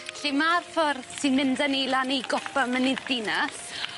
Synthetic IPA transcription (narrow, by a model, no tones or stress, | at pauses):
ɬimarfɔrðsɨnmɪndənejlˠanejɡɔpamənɪðdinas